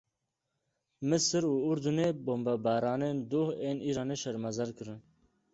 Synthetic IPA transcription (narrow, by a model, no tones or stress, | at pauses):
mɨsɨɾuːʊɾd̪uneːboːmbabaːɾɑːneːnd̪oːheːnʔiːɾɑːneːʃɛɾmɐzɐɾkɨɾɨn